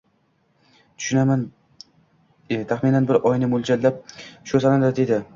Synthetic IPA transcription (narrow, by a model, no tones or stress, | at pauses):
t̪ʰʊ̥ʃʊnaman | t̪ʰaχminanbɪɾʔɒjnɪmʊlˠd͡ʒallap̚ʃʊsanand̪ad̪ed̪ɪ